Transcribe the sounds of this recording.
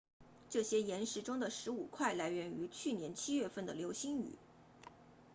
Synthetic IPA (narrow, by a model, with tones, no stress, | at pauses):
ʈ͡ʂɤ˥˩ɕjɛ˥jɛ˧˥nʂɻ̩˧˥ʈ͡ʂʊ˥ŋd̪ə˨ʂɻ̩˧˥u˨˩kʰwa˥˩ɪla˧˥ɪɥɛ˧˥ny˧˥t͡ɕʰy˥˩njɛ˧˥nt͡ɕʰi˥ɥɛ˥˧fə˥˩nd̪ə˩ljo˧˥ʊɕi˥ŋy̰˨˩˦